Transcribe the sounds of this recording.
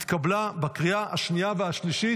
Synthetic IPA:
t̪kablabakʁiahaʃnijaveaʃliʃi

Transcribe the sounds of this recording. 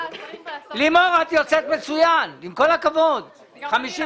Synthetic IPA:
limoʁat̪jot͡set̪me̞t͡sujanimko̞lhakavod̪ | χamiʃi

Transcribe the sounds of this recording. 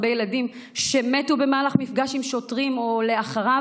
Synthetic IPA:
bejeladim | ʃemetube̞maːlaχmifɡaʃimʃo̞tʁimo̞le̞aχaʁa

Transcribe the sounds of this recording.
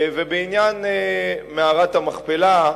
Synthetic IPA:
vebeinjan | meaʁat̪hamaχpela

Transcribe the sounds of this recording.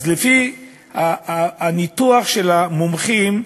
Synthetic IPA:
zlefi | aːnit̪uaχʃelamomχim

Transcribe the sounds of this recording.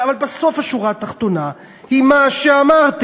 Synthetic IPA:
avalbeso̞faʃuʁat̪aχt̪ona | himaʃeamaʁt̪

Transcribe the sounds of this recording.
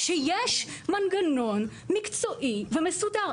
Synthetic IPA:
ʃejɛʃmanɡanon | mikt͡soʔivɛmesuda

